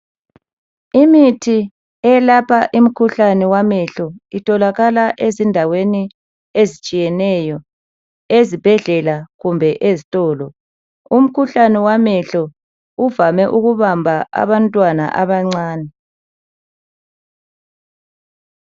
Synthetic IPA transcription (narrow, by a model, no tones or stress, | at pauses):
imitʰi | ɛlapʰaʔim̩kʰuɬanɛwamɛɬɔitʰʼɔlaɣalaʔezindʱaweni | ezit͡ʃʼijɛnɛjɔ | ezib̥ʱɛɮɛlaɣumbʱɛʔezitʼɔːlɔ | um̩kʰuɬanɛwamɛɬɔ | uvamɛʔuɣuβambʱaʔa̰βantʼwana̰ʔaβaŋ͡ǀaːnɛ